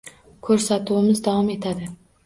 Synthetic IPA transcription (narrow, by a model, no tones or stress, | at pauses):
kʰɵɾsat̪uɪmɪzd̪awɒme̞t̪ʰad̪ɪ